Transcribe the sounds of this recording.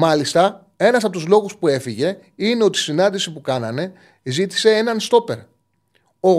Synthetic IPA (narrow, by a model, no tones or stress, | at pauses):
mɐlist̪ɐ | e̞nɐsɐpot̪uzlo̞ɣuspue̞fiʝe̞ | ineo̞t̪i̥sinɐnd̪isipukɐnɐne̞ | zit̪i̥se̞e̞nɐnst̪o̞pe̞ɾ | o